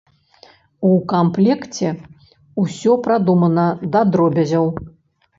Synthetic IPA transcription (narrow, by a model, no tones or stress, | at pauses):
ukamplʲɛkt͡sʲɛ | usʲɔpɾad̪umɐnɐd̪ɐd̪ɾɔbʲɐzʲɐw